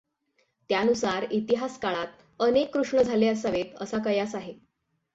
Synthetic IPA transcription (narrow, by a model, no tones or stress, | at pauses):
t̪janusaɾit̪iɦaskaɭat̪̚ | ənekːɾuʂɳəd͡zʱaleəsaʋet̪əsakəjasaɦe